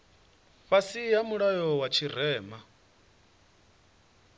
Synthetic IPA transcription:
ɸasijamuɺajɔwat͡ʃʰir̤ɛːma

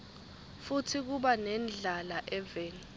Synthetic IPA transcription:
futʰik̬uɓanɛnd͡ɮʱalaʔɛveːni

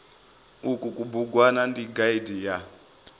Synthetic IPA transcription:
ukukubuɡwanandiɡaidija

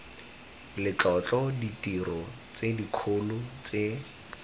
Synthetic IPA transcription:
lɪt͡ɬɔt͡ɬɔditirɔ | t͡sedikʰolʊt͡se

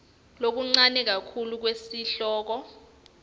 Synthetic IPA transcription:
lok̬uŋ͡ǀanɛk̬akʰuluk̬wesiɬɔːk̬ɔ

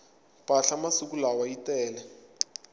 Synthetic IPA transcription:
pʼaɬamasuk̬ulawaitɛːlɛ

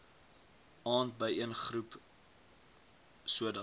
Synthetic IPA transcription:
ɑːnt̚bəjiənχrup | suədə

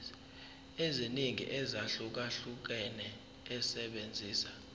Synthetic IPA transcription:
eziniŋḭʔɛzaɬuk̬aɬuk̬ɛnɛː | sɛɓend͡zʱiːsḁ

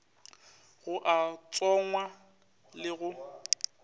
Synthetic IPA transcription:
ɣʊʔat͡sʼɔŋwa | lɪɣʊ

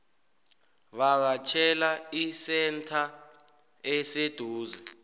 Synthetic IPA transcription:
ɓak̬at͡ʃʰɛlaisɛntʰa | ɛsed̥ʱuːzɛ

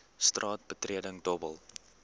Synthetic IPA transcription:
strɑːt̚bətriədəŋdɔbəlˠ

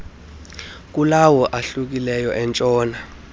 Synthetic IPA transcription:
k̬ʼulawɔʔaɬuk̬ilɛjɔʔɛnt͡ʃʼɔːna

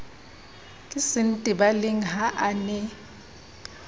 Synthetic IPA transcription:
kʼɪsɪn̩tʼibalɪŋ̩ɦaʔanɛ

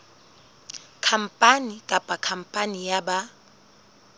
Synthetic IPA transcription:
kʰam̩pʼanikʼapʼakʰam̩pʼanijaɓa

